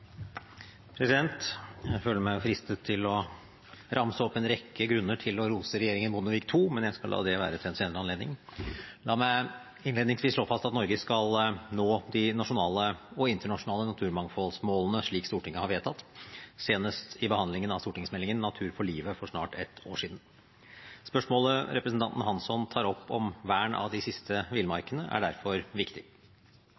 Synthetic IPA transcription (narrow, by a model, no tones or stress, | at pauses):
pʰɾɛsɪd̪ɛnt̪jæɪføːləmæɪɔfɾɪst̪ət̪ʰːɪlɔ | ɾʔɑmsəɔpːɛnɾɛkːəɡɾʉnːəʈʰɪlɔɾuːsəɾɛjeːɾɪŋənbʊnəʋɪkt̪ʰuːmɛnjæskɑlɑ̰ːd̪ɛʋæ̰ːɾət̪ʰɪɛnseːnəɾəɑnleːd̪nɪŋlɑːmæɪ | ɪnleːd̪nɪŋsʋiːsʂɭoːfɑst̪ɑt̪nɔɾɡəskɑlnoːd̪ɪnɑʂʊnɑːləɔɪnt̪əɳɑʂʊnɑːlənɑt̪ʰʉːɾmɑŋfɔlsmoːlənəʂɭiːkst̪uːʈɪŋːəhɑɾʋeːt̪ʰɑt̪ːseːnəʂtɪbəhɑnd̪lɪŋənɑʋst̪uːʈɪŋsmɛlːɪŋənːɑt̪ʰʉːɾfɔɭiːʋəfɔʂnɑ̰ːʈɛt̪o̰ːʂiːd̪n̩ | spœʂmoːləɾɛpɾəsn̩t̪ɑnt̪n̩hɑnsɔnt̪ʰɑːɾɔpːɔmʋæːɳɑ̰ʋd̪ɪsɪst̪ʰəʋɪlmɑɾkənəʔæ̰ɖæɾfɔɾʋɪkt̪ɪ